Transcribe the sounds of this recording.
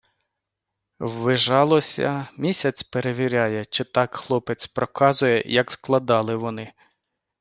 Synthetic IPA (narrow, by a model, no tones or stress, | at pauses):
wʋɪʒɑlˠɔsʲɐ̰mʲisʲɐt͡sʲpeɾeʋʲiɾʲɑjɛt͡ʃɪt̪ɑkxlˠɔpet͡sʲpɾɔkɑzʊjɛ̰jɐksklˠɐd̪ɑlˠɪʋɔnɪ